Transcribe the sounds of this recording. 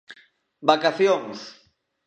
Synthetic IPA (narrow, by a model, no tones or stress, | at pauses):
bakaθjoŋs